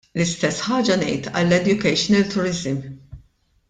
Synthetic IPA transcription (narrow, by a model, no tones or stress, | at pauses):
lɪst̪ɛsːħɐːd͡ʒɐnɛ̰jt̪ɐlːɛd̪jʊkɛjʃnɛlt̪ʊɾɪzɪm